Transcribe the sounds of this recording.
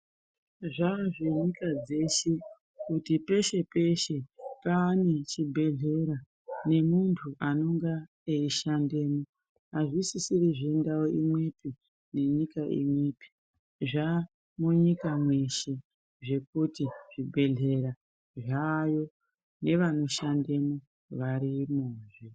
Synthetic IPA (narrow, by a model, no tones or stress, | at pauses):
ʐaʐe̞ɲikad͡ze̞ʃe | kutipe̞ʃe̞pe̞ʃe̞paːnet͡ʃibʱe̞ɮe̞ɾa | ne̞muntʰuʔano̞ŋɡa | eiʃandeːmo | ɦaʐisisiriʐendawoimwe̞pi | ne̞ɲikaʔḭmwepi̥ | ʐa | muɲikamwe̞ʃe̞ | ʐe̞k̚utiʐ̥ibʱe̞ɮe̞ɾa | ʐajo̞ | ne̞ʋano̞ʃande̞mo | ʋaɾimuːʐi